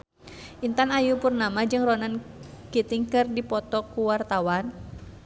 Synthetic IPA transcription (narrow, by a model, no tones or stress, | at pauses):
ʔint̪anajupurnamad͡ʒɨŋrɔnankit̪iŋkɨrdipɔt̪ɔkuwart̪awan